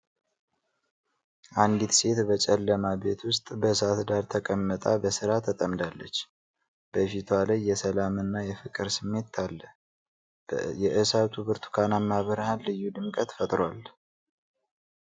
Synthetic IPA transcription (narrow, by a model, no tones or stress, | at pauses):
ʔand̪it̪se̞t̪bət͡ʃʼɛlːəmabe̞t̪ʰwʊst̪ʼbəsat̪d̪aɾt̪ʰəkʼəmːət̪ʼa̰bəsɨɾat̪ʰət̪ʼəmd̪alːət͡ʃː | b̥əfit̪ʰwalajːɛsəlamɨnːajɛfɨkʼɨɾsɨmːe̞t̪ʰːalːə | jɛʔɨsat̪ʰuβɨɾt̪ʰu̥kʰanamːaβəɾhalːɨjːud̪ɨmkʼət̪fət̪ʼɾal